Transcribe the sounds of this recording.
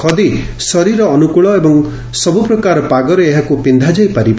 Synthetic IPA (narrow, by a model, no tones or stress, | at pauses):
kʰɔd̪i | sɔɾiɾɔːnukuɭɔebɔŋ | sɔbupɾɔkaɾɔpaɡɔɾeːɦakupind̪ʱad͡ʒajpaɾib